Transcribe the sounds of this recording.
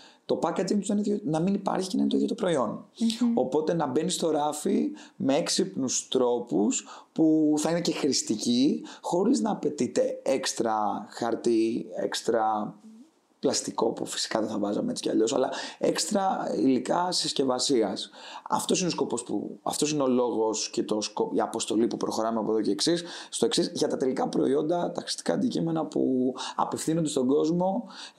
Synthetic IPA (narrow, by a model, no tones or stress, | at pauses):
t̪o̞pɐkɐd͡zimt̪uzðeneonɐminipɐ̰ɾçicenɐinet̪ojot̪opɾo̞io̞no̞po̞t̪e̞nɐbenist̪o̞ɾɐfimeeksipnust̪ɾo̞puspuθɐine̞ce̞xɾist̪icixo̞ɾiznɐːpe̞t̪it̪e̞ekst̪ɾɐxɐɾt̪iḛkst̪ɾɐ | plɐst̪iko̞̰pṵfi̥si̥kɐðeθɐvɐzɐmet͡si̥cɐ̰ʎo̞sɐ̰lɐe̞kst̪ɾɐḭlikɐsisce̞vɐsiɐsɐ̰ft̪o̞sinesko̞po̞spṵɐ̰ft̪o̞sineolo̞ɣo̞scet̪o̞skoiɐpo̞st̪o̞lipupɾo̞xoɾɐmeɐpoðoce̞ːksisst̪o̞e̞ksisʝɐt̪ɐt̪e̞likɐpɾo̞io̞nd̪ɐt̪ɐxɾi̥st̪i̥kɐːnd̪icime̞nɐpṵɐ̰pefθinond̪e̞st̪o̞ɡo̞zmo̞